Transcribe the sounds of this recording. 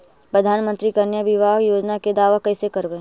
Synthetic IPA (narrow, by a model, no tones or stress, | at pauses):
pɾəd̪ʱaːnmə̃nt̪ɾikɐɾnjabɪʋaːɦjoːd͡ʒnaked̪aːʋakɐisekɐɾʋẽː